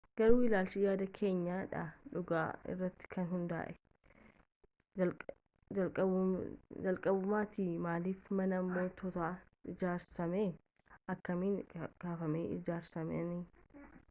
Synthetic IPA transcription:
ɡ̥ɐɾuːɪlaːlt͡ʃɪjaːd̪ɐkʰe̞ːɲːaːᶑɐ̰ᶑʊɡa̰ːɪ̰rːɐt̪ːɪ̥kʰɐnɦʊnd̪a̰ːʔɛ̥ | ɐlkʼɐ | d͡ʒɐlkʼɐbʊmaːt̪iːmaːliːfmɐnɐːmːo̞ːt̪ɔt̪aː | ɪd͡ʒaːɾsɐmeː | ɐkːɐmiːnɡ̥aːfɐmeːɪ̰d͡ʒaːɾsɐmɛ̰ni

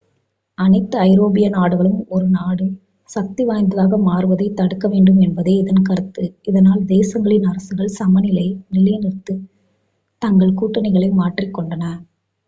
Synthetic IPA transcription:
ɐnɐɪt̪ːɯɐɪɾoːbɪjɐnaːɽɯɣɐɭɯmɔɾɯnaːɽɯ | sɐk̚t̪iʋaːjnd̪ɯðaːɣɐmaːrɯʋɐðɐɪt̪ːɐɽɯkːɐʋeːɳɖɯmɛnbɐðeːɪðɐnkɐɾɯt̪ːɯɪðɐnaːld̪eːsɐŋɡɐɭɪnɐɾɐsɯɣɐɭsɐmɐnɪlɐɪnɪlɐjnɪrt̪ːɯ | t̪ɐŋɡɐɭkuːʈːɐnɐɪɣɐɭɐɪmaːʈrɪkːɔɳɖɐnɐ

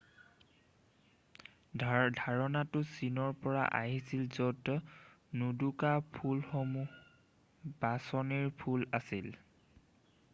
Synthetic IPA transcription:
dʱaɹɔnatʊsinɔɹpɔɹa̰ʔa̰ɦisilzɔtɔnudukapʰulxɔmu | basɔniɹpʰulasil

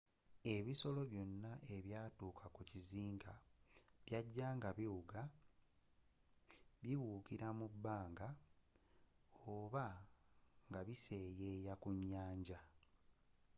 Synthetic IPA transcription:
e̞βiso̞lo̞βjo̞nːaʔe̞βjaːtuːkʰakuciziːŋɡaβjaɟːaːŋɡaβiwuɡa | βiβuːkiɾamubːaːŋɡa | oβa | ŋɡaβise̞ːjeːjakuɲːaːɲɟa

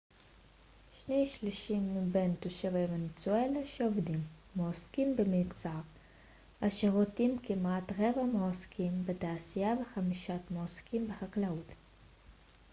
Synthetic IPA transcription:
ʃnejʃliʃimːibent̪oʃavejvenet͡suelaʃeovdimː | oːskimbemikt͡saʁ | ʔaʃeʁotimkimatʁevamoaskʰimbetaːsijaveχamiʃatmoskimbehaklaut

